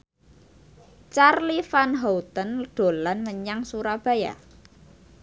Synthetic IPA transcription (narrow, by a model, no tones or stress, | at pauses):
t͡ʃarlifanɦowt̪ənɖ̥o̤lanməɲaŋsuɾab̥a̤ja̰